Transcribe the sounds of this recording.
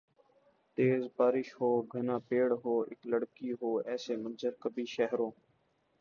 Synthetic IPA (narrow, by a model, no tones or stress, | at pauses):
t̪eːzbaːɾɪʃhoːɡʱənãːpeːɽɦoːɪkləɽkiːɦoːɛːseːmənzəɾkəbiːʃəɦɾõː